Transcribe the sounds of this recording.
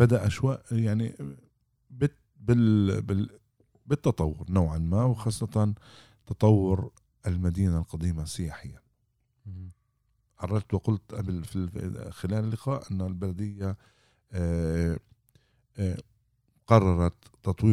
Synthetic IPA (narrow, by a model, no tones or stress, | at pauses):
b̥ad̪aʔaʃwaːʔjaʕni | bɪ | bɪlbɪ | bɪt̪ːɑt̪ˤɑwːʊɾnoːʕanmaːwxɑːsˤːɑt̪ɑn | t̪ɑt̪ˤɑwːʊɾ | ʔɪlmad̪iːnalqɑd̪iːmasɪjaːħɪjːa | ʕɑrˤːɑɾˤt̪wɪqʊlt̪ʔablfixɪlaːlɪlːɪqɑːʔʔɪnːalbalad̪ɪjːa | qɑrˤːɑɾˤɑt̪ːɑt̪ˤwiː